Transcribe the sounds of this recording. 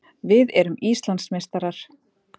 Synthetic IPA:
vɪðɛɾʏmist̪lant̪smejst̪aɾaɾ̥

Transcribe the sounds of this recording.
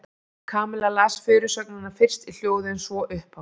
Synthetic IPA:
kʰaːmɛlalaːsfɪːɾʏsœknɪnafɪr̥st̪il̥joːwðɪnsvɔʔʏhpha

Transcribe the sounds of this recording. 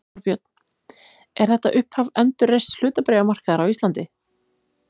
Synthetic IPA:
ɾpjœt̪n̥ | ɛɾ̥θɛht̪aʔʏhphavɛnt̪ʏrːejst̪l̥ʏːt̪apɾɛːɣamar̥kaðaɾawist̪lant̪ɪ

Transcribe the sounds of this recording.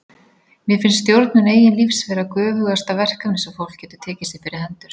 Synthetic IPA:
mjɛfɪnst̪jowɾt̪̚nʏneːjɪnlifsvɛːɾakœːvʏɣðast̪avɛr̥kanɪsɛwfowl̥kcɛːt̪ʏ̥t̪ʰɛːcɪsɪpɪɾɪhɛnt̪ʏɾ̥

